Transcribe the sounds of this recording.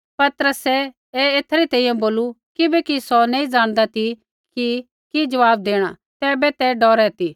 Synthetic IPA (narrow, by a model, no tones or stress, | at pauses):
pɐt̪əɾəsɛ | ɛeːt̪ʰɐɾit̪ɛ̃ːĩjãboːlu | kɪbɛkisɔnɛ̃ĩd͡zãːɽ̃d̪at̪ʰi | ki | kid͡ʒɐʋaːbd̪eːɽ̃a | t̪ɛːbɛt̪ɛɖɔːɾɛt̪i